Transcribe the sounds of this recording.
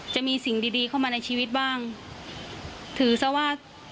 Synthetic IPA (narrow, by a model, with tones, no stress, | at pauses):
t͡ɕa˨˩ʔmiː˧si˨˩˦ŋdiː˧diː˧kʰa˥˩wmaː˧na˧jt͡ɕʰiː˧wi˦˥t̪̚baː˥˩ŋ | t̪ʰɯː˩˦sa˦˥˩waː˥˩